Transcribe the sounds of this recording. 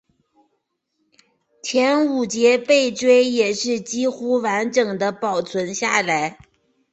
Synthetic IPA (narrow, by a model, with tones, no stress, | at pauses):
t͡ɕʰjɛ˧˥nu˨˩t͡ɕjɛ˧˥pe˥˩ɪʈ͡ʂwe˥ɪjɛ˨˩ʂɻ̩˥˩t͡ɕi˥xu˥wa˧˥nʈ͡ʂɤ˨˩ŋd̪ə˦pɑ˨˩ʊt͡sʰwə˧˥nɕja̰˥˩la˧˥ɪ